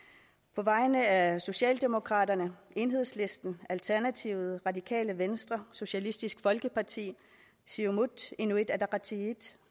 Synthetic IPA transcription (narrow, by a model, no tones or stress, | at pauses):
pʰɒ̽ʋɑ̈ɪnəæso̝ɕɛ̰ːld̥e̝mo̝kʰʁɑ̈ːɾ̥ɐnəʔe̝nɦe̝ð̞̰ˠsle̝sd̥n̩ælt͡sʰæɐnæt͡sʰiʊð̩ˠʁɑ̈dikʰɛ̰ːləʋensd̥ʁɐso̝ɕælisd̥isɡ̥fɒ̽lɡ̥əpʰɑ̈t͡sʰḭː | siomud̥enued̥æd̥ɑʁɑt͡sʰiid̥